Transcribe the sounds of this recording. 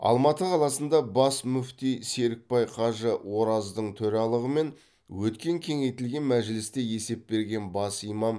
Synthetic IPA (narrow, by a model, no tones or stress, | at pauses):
ɑ̰lˠmɑt̪əqʰɑlˠɑsənd̪ɑbɑsmʏft̪ijse̞ɾɪk̚pɑjqʰɑʒəwo̞ɾɑzd̪əɴt̪ʰɵɾɑlˠəʁəme̞n | wɵt̪kʲe̞ŋkʲʰe̞ŋe̞jt̪ɪlɡʲe̞nmæʒɪlɪst̪e̞je̞se̞p̚be̞ɾɡʲe̞nbɑsijmɑm